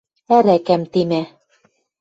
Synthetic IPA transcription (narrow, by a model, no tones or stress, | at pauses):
æɾækæmt̪imæ